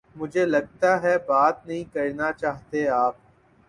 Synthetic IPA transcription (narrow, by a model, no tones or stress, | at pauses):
mʊd͡ʒʱelɐɡ̚t̪aɦɛbaːt̪nɐɦĩkɐɾnat͡ʃaːɦt̪eaːp̚